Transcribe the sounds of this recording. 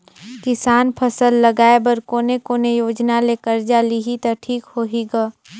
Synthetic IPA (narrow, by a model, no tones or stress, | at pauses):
kɪsaːnpʰəsəlːəɡaːebəɾkoːnekoːnejoːd͡ʒnaleːkəɾd͡ʒaːliɦit̪aʈʰiːkhoːɦiɡaː